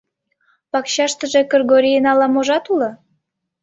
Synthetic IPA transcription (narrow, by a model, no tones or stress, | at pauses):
pɑkɕɑʃt̪ə̆ʒĕkərɣoɾijənɑlɑmoʒɑt̪ulɤ̆